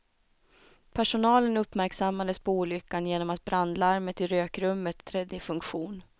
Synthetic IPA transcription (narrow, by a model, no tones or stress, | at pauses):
pʰæʂʊnɑːlənɵpːmæɾksamːad̪əspʰɔuːlʏkːanjeːnɔmat̪̚bɾand̪laaɾmət̪ɪɾøːkɾɵmːət̪ːɾɛd̪ːɪfɵŋkɧuːn